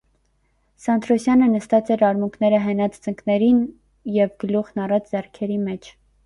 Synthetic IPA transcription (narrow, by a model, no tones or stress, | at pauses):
sɑnd̪ɾɔsjɑnənəst̪ɑt͡sɛɾɑɾmuŋkʰnɛɾəɦɛnɑt͡st͡səŋkʰnɛɾin | jɛvɡəluχnɑrɑt͡sd͡zɛrkʰɛɾimɛt͡ʃʰ